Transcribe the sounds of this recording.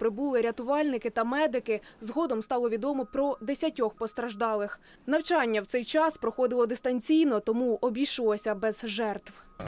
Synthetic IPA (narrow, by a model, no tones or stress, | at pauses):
pɾɪbulˠɪɾʲɐt̪ʊʋɑlʲnɪkɪt̪ɐmɛd̪ɪkɪzɦɔd̪ɔmst̪ɑlˠɔʋʲid̪ɔmɔpɾɔd̪esʲɐtʲɔxpɔst̪ɾɐʒd̪ɑlˠɪx | nɐwt͡ʃɑnʲːɐwtsɛjt͡ʃɑspɾɔxɔd̪ɪlˠɔd̪ɪst̪ɐnʲt͡sʲijnɔt̪ɔmuɔbʲijʃlˠɔsʲɐbɛz̥ʒɛrt̪w